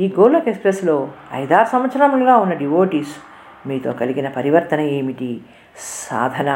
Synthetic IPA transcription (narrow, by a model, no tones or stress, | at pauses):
iːɡoːlɐkekspɾeslo̞ːɐ̰jd̪ʱaːɾsɐmʋɐt̪sɐɾɐmluɡaːunːɐɖiʋoːʈiːs | miːt̪o̞̰ːkɐliɡinɐpɐɾiʋɐɾt̪ɐnɐeːmiʈi | sa̰ːd̪ʱɐnɐ